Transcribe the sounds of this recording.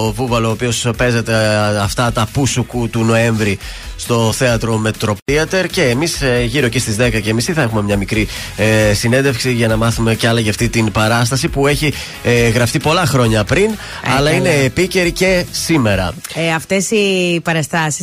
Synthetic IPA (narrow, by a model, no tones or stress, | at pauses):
ovuvɐloːpio̞spe̞ze̞t̪eɐft̪ɐt̪ɐpusukut̪uno̞e̞ɱvɾi | st̪o̞θe̞ɐt̪ɾo̞me̞t̪ɾo̞piɐt̪e̞ɾce̞ːmisʝiɾo̞cest̪izðe̞kɐce̞ːmisðiθɐe̞xume̞mɲɐmikɾi | esine̞nd̪efksiʝɐnɐmɐθume̞ceɐlɐʝɐft̪it̪inpɐɾɐst̪ɐsipue̞çi | ɣɾɐft̪ipo̞lɐxɾo̞ɲɐpɾin | ɐlɐine̞ːpice̞ɾice̞sime̞ɾɐ̰ | ɐft̪esipɐɾɐst̪ɐsi